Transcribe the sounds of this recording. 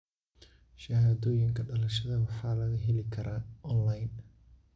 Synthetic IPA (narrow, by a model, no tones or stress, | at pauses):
ʃɐhaːðɔːjɪŋkʰɐɖɐlɐʃɐðɐwɑħɑːlɐɣɐɦɛlɪkʰɐɾʔaːʔɔnlajn